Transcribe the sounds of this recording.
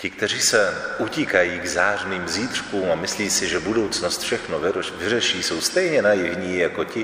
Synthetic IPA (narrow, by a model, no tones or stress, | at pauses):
cɪk̚t̪ɛriːsɛʔucikajiːɡzaːrniːmziːt̪r̥kuːmamɪsliːsɪʒɛbudo̞wt͡snost̪fʃɛxnovɪrɛʃiːso̞wst̪ɛjɲɛnajɪvɲiːjakocɪ